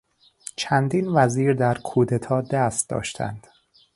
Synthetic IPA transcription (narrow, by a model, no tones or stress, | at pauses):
t͡ʃʰænd̪iːnvæziːɾd̪æɾkʰuːd̪et̪ʰɒːd̪æst̪̚d̪ɒ̰ːʃt̪ʰæ̰nd̪̥